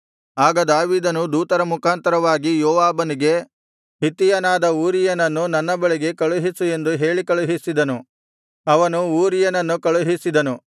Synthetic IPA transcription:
aːɡɐd̪aːʋiːd̪ɐnud̪uːt̪ɐɾɐmukʰaːnt̪ɐɾɐʋaːɡijɔːʋaːbɐniɡe̞ | ɦit̪ijɐnaːd̪ɐuːɾijɐnɐnːunɐnːɐbɐɭeɡe̞kɐɭuɦisue̞nd̪uɦe̞ːɭikɐɭuɦisid̪ɐnu | ɐʋɐnuuːɾijɐnɐnːukɐɭuɦisid̪ɐnu

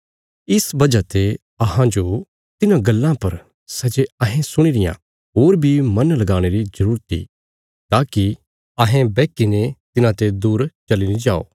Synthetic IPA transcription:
ɪsbɐd͡ʒat̪e | ɐɦãd͡ʒo | t̪ɪnãɡɐlːãpɐɾ | sɛd͡ʒeɐɦẽsʊɽ̃iɾɪjã̰ | ɦoːɾbʱimɐnlɐɡaːɽ̃eɾizɐɾuːɾt̪ḭ | t̪aːki | ɐɦẽbɛːkinet̪ɪnãt̪ed̪uːɾt͡ʃɐlinid͡ʒaːo̰ː

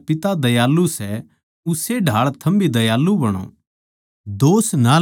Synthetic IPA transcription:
pɪt̪ad̪ɐjaːlːusɛ | ʊseɖʱaːɭt̪ʰɐmbʱid̪ɐjaːlːubɐɽ̃õ̰ː | d̪oːsna

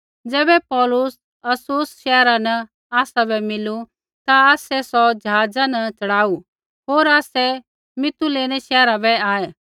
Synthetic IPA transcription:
d͡zɛːbɛpɔːlʊs | ɐsʊsʃɛːɾanɐ | aːsabʱɛmɪlu | t̪aaːsɛsɔd͡ʒɐɦaːd͡zanɐt͡ʃɐɽaːu | ɦoːɾaːsɛ | mɪt̪uleːnɛʃɛːɾabʱɛaːɛ

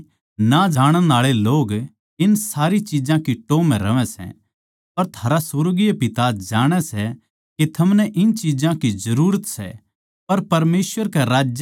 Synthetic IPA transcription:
nad͡ʒaːɽ̃ə̃naːɭeloːɡ | ɪnsaːɾit͡ʃiːd͡ʒãkiʈoːmɛ̃ɾɐʋɛ̃sɛ̰̃ | pɐɾt̪ʰaːɾasʊɾɡijepɪt̪ad͡ʒaːɽ̃ɛsɛ | kit̪ʰɐmnɛʔɪnt͡ʃiːd͡ʒãkizɐɾuːɾət̪sɛ̰ | pɐɾpɐɾmeːsʋəɾkɛɾaːd͡ʒj

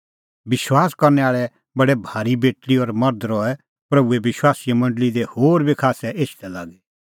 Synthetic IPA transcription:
bɪʃwaːskɐɾnɛaːɭɛ | bɐɽɛbʱaːɾibeːʈliɔɾmɐɾd̪ɾɔɛ | pɾɐbueʋɪʃwaːsijɛmɐ̃ɳɖlid̪ehoːɾbʱikʰaːsɛʔeːʃt̪ɛla̰ːɡɛ

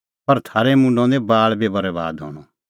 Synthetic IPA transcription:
pɐɾt̪ʰaːɾɛmʊ̃ɳɖõd̪ebaːɭbebɐɾɛba̰ːd̪ɦɔ̰ːɽ̃ɔ

